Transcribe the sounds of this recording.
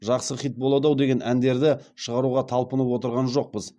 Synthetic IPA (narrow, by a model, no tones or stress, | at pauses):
ʒɑqsəχit̪̚bolˠod̪ɑwd̪e̞ɡʲe̞nʔænd̪e̞ɾd̪ɪʃəʁɑɾuʁɑt̪ʰɑlˠpənəpwo̞t̪əɾʁɑnʒo̞q̚pəz